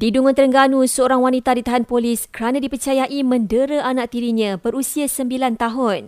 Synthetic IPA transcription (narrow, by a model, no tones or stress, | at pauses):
diduŋʊnt̪əɾəŋɡanũsəoɾaŋwanit̪adit̪aɦanpoliskəɾanãdipərt͡ʃajaʔimə̃ndəɾəanaʔ̚t̪iɾiɲãbəɾusiasəmbilant̪aɦʊn